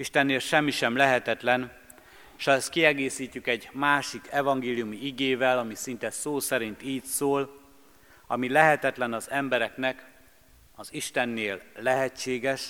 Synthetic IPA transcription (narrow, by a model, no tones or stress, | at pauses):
iʃt̪ɛnːeːlʃɛmːiʃɛmlɛɦɛt̪ɛt̪lɛn | ʃɒɛst̪̚kiɛɡeːsiːc̪ːykɛɟmaːʃikʰɛvɒŋɡeːlijumiiɡeːvɛlɒmisint̪ɛsoːsɛɾint̪iːcsoːl | ɒmilɛɦɛt̪ɛt̪lɛnɒzɛmbɛɾɛknɛk | ɒziʃt̪ɛnːeːlːɛɦɛt͡ʃːeːɡɛʃ